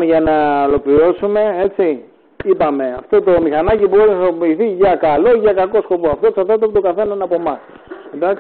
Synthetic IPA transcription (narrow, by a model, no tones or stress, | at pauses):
eʝɐnɐolo̞plio̞sume̞e̞t͡si | ipɐme̞ɐft̪o̞t̪o̞mixɐnɐcibo̞ɾinɐsopiːθiʝɐkɐlo̞ʝɐkɐko̞sko̞po̞ɐft̪o̞ksɐɾt̪ɐt̪pt̪o̞ɡɐθe̞nɐnɐpo̞mɐs | end̪ɐk